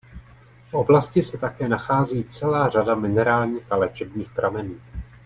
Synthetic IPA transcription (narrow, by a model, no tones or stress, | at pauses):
fʔo̞blascɪsɛt̪akɛːnaxaːziːt͡sɛlaːr̝adamɪnɛɾaːlɲiːxalɛt͡ʃɛbɲiːxpɾʔamɛnuː